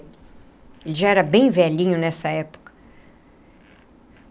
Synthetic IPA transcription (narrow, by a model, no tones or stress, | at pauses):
elɪʒaɛɾɐbẽj̃vɛʎĩɲʊnɛsɐɛpo̥kɐ̥